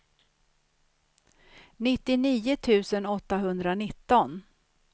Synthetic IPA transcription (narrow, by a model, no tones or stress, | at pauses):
nɪt̪ːɪniːʊt̪ʰʉ̟ːsənɔt̪ːaɦɵnd̪ɾanɪt̪ːɔn